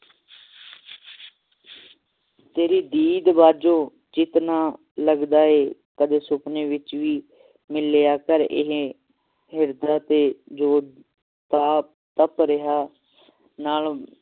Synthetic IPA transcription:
t̪eːɾiːd̪iːd̪baːd͡ʒõː | d͡ʒɪt̪naː | ləɡd̪aːeːkəd̪eːsʊpneːʋɪt͡ʃʋiː | mɪleːaːkəɾɪ̰ɦ | ɦɪɾd̪aːt̪eːd͡ʒoː | t̪aːp | t̪əpɾɪɦaː | naːl

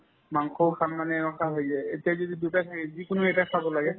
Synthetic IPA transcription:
maŋkʰɔʊkʰanmanɛɛnɔkʰaɦojsɛetijazodidutatʰaɛzikʊnʊɛtakʰabɔlaɡɛ

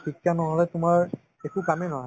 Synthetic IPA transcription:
xikʰːjanɔɦɔlɛtʊmaɹ | ɛkukamɛnɔɦa

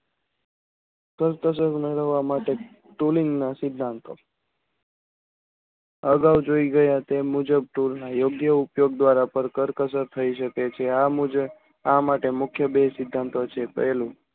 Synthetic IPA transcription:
kəɾt̪əs̬əɾməɾəʋamaʈe | ʈuliŋɡnasɪd̪ʱːant̪ʰo | əɡawd͡ʒoiɡəjat̪emud͡ʒəb̚ʈuɾnajoɡjəupjoɡd̪ʋaɾapəɾkəɾkəsəɾt̪ʰəiʃəket͡ʃʰead͡ʒ | amaʈemʊkʰjəbesɪd̪ʱːant̪ot͡ʃʰepə̰ɦlũ

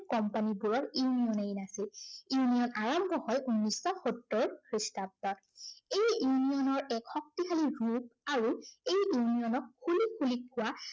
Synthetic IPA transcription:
kɔmpanibuɹɔɹiunijɔnejnasiliunijɔnaɹamtɔhɔjʔunːisɔxɔtːɔɹkɹistab̚dɔt | ejunijɔnɔɹɛkxɔk̚tixʰaliɹup̚aɹuejiwnijɔnɔkʰːulikʰːulikʰːʊwa

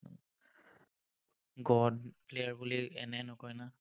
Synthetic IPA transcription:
ɡɔdplejaɹbuliɛ̰nɛnɔkɔjna

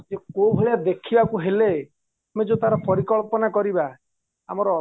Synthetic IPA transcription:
d͡ʒekobʱeɭiad̪ekʰibakuɦele | med͡ʒot̪aɾɔpɔɾikɔɭpɔnakɔɾiba | amɔɾɔ

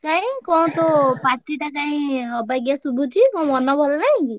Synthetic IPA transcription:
kãĩkɔw̃t̪ɔpaɾʈiʈakaĩɔbaɡjasubʱut͡ʃʰikɔ̃w̃ɔnɔbʱɔlanaɦĩki

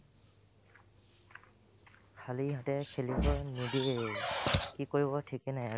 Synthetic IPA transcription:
kʰaliɦatɛkʰelibɔnudi | kikoɹibɔtʰikɛnaja

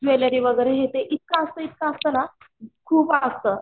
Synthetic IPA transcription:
d͡ʑʋeləɾiʋəɡəɾeɦet̪eʔit̪̚kaəst̪əːit̪̚kaəst̪əːna | kʰuːpast̪əː

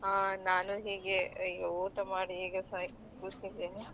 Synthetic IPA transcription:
anaːnuɦiːɡeiuːt̪ɐmaːɽiɦiːɡɐsɐ | kuːst̪id̪eːni

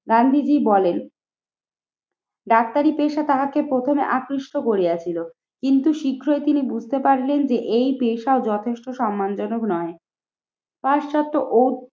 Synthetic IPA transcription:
ɡand̪ʱid͡ʑibɔlen | ɖak̚t̪aɾipeʃat̪aɦakepɾot̪ʰomeʔakɾiʃʈokoɾiat͡ɕʰilo | kint̪uʃikʰːɾoet̪inibud͡ʑʱt̪epaɾilend͡ʑeʔejpeʃaod͡ʑɔt̪ʰeʃʈoʃɔmːand͡ʑɔnoknɔe | paʃt͡ɕɔt̪ːoʔow

